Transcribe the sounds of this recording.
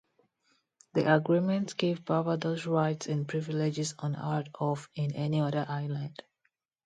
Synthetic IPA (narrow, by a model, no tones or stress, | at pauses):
ðḭʔəɡɹimə̃ntsɡ̥evbavədosɹaɪtsɛ̃npʰɹɪviled͡ʒɪzɔ̃na̰ɹtɔfɪ̃nɛniʌðə˞ʔaɪlə̃nd̥